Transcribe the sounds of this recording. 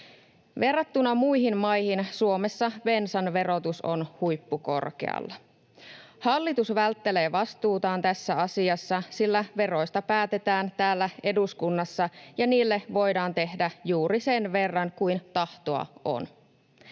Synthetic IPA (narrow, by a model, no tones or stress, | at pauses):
ʋe̞rːɑt̪ːunɑmujɦinmɑjhinsuo̞mesːɑʋe̞nsɑnʋe̞ɾo̞t̪uso̞̰nhujpːuko̞̰rkḛɑ̰lːɑ | hɑlːit̪usʋælt̪ːe̞le̞ːʋɑst̪uːt̪ɑːnt̪æsːæɑsiɑsːɑsilːæʋe̞ro̞jst̪ɑpæːt̪e̞t̪æːnt̪æːlːæe̞duskunːɑsːɑjɑniːlːeʋo̞jdɑːnt̪e̞hdæjuːɾise̞nʋe̞rːɑŋkujnt̪ɑht̪oɑ̰o̰n